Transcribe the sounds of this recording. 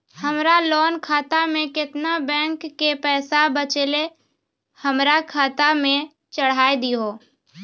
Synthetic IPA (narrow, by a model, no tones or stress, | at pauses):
həmɾalɔːnkʰaːt̪amẽkɪt̪nabɛ̃ːŋkːepɛːsabət͡ʃele | həmɾakʰaːt̪amẽ | t͡ʃəɽ̤aːed̪iɦoː